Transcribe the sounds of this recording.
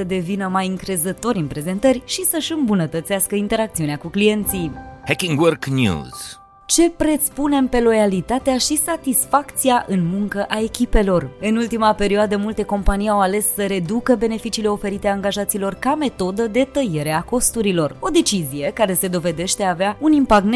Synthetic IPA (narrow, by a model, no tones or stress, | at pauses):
səd̪e̞vinəmajɨŋkɾe̞zət̪o̞ɾʲɨnpɾe̞ze̞nt̪ərʲʃisəʃɨmbunət̪ət̪siaskəint̪e̞ɾak̚t̪siuneakuklije̞nt̪sijhekʲiŋɡwərknjṵz̥ | t͡ʃe̞pɾe̞t̪spune̞mpe̞lo̞jalit̪at̪eaʃisat̪isfakt̪siaʔɨnmuŋkəʔae̞kʲipe̞lo̞rɨnult̪imape̞ɾioad̪əmult̪e̞ko̞mpanijawale̞sːəɾe̞d̪ukəbe̞ne̞fit͡ʃiːle̞o̞fe̞ɾit̪eaŋɡaʒat̪siːlo̞rkame̞t̪o̞d̪əd̪e̞t̪əjeɾe̞ako̞st̪uɾilo̞ro̞d̪e̞t͡ʃizije̞kaɾe̞se̞d̪o̞ve̞d̪e̞ʃt̪e̞aːveaunimpakn